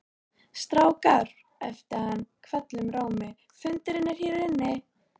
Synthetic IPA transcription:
st̪ɾaːwkar | ɛ̰ft̪ɪhanːkʰvɛt̪lʏmɾaːwmɪ | fʏnt̪ɪɾɪnːɪɾ̥hiɾðɪnːɪ

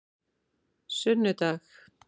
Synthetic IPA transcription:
sʏnːʏt̪ax

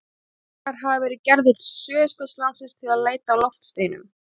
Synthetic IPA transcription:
aɾ̥ɦavavɛːɾɪcɛɾðɪt̪sœːskœt̪slansɪst̪ʰɪlaðleːjt̪alɔft̪st̪eːjnʏ̰m

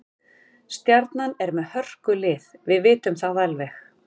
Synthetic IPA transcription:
st̪jaɾt̪nanɛɾmɛðhœr̥kʏlɪːðvɪðvɪːt̪ʏmθaðalvɛx

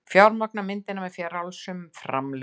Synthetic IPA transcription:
fjawɾmak̚namɪnt̪ɪnamɛðfjɛːɾawlsʏmfɾa̰ml

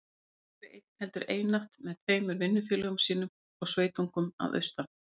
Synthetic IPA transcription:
ɾɪʔet̪̚n̥hɛl̪t̪ʏɾeːjnaht̪mɛðt̪ʰveːjmʏɾvɪnːʏfjɪːlœɣʏmsiːnʏm | ɔɣsveːjt̪uŋkʏma̰ðʔœ̰ɥst̪a

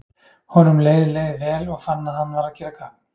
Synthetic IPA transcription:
hɔnʏmleːjðɪleːjðɪvɛːlɔɣfanːahanːvaɾacʰɪɾakʰa

